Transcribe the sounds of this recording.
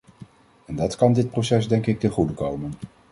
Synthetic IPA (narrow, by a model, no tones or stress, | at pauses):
ɛndɑtkɑndɪt̚prowsɛzdɛŋkɪk̚təχudəkowmən